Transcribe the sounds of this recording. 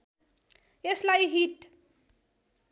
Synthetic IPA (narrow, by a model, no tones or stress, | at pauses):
jeslajɦiʈ